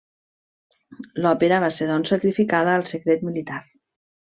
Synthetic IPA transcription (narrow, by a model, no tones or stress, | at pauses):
lɔpeɾəβ̞aseðɔnsəkɾifikaðəːlˠsəkɾet̪milit̪aɾ